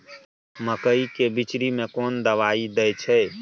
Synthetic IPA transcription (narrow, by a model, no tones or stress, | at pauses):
məkəikebit͡ʃɾimekond̪əʋaid̪ɛjt͡ʃʰɛ